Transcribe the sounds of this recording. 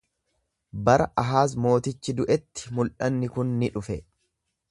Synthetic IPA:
bɐɾɐʔɐɦaːs̬mo̞ːt̪ɪt͡ʃːɪd̪ʊʔɛt̪ːɪ̥mʊlʔɐnːɪkʊnːɪᶑʊfɛ

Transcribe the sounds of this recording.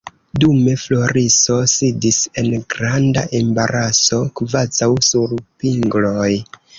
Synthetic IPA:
dume̞flo̞ɾiso̞sidise̞nɡɾandaʔe̞mbaɾʔaso̞kvazawsuɾpiŋɡlo̞j

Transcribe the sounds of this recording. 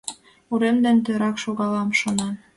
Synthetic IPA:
uɾemd̪ĕnt̪øɾɑkʃoɣɑlɑmʃŏnɑn

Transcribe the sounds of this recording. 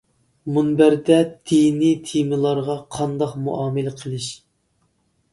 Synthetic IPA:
munbæɾd̪ɛd̪̥init̪ʰimɨlˠɑɾʁɑqʰɑnd̪ɑqmṵʔɑːmɨlɪqʰəlˠɨʃ

